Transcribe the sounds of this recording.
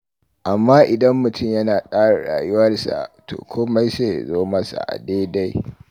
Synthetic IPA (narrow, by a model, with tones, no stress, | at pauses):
ʔa˨mːaː˦ʔɪ˨dɐ˦mːʊ˨tʰʊ˦˨mjɐ˦naː˨kʼaː˦ɽa˨ɽa̰ː˨jʊ˦wɐ˦rsa̰˨to̰ː˨kʷʰoː˦ma˦jseː˦˨zoː˦mɐ˦sa̰˨ʔa̰˨deː˦da˦j